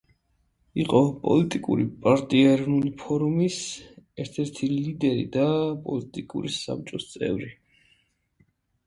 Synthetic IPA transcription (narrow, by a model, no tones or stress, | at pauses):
iqʼɔpʼɔ̰lit̪ʼikʼṵɾipʼaɾt̪ʼiɛɛɾɔvnulipʰɔɾumisɛɾt̪ʰɛɾt̪ʰilid̪ɛɾḭd̪apʼɔlit̪ʼikʼṵɾisa̰p̚t͡ʃʼɔst̪sʼɛ̰vɾi